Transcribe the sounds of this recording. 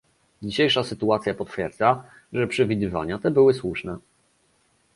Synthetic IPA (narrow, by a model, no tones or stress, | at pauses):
d͡ʑiɕejʂasɘt̪uat̪sʲjapɔt̪fʲjɛɾd̪za | ʐɛpʂɛvʲid̪ɘva̰ɲat̪ɛbɘwɘswuʂnɛ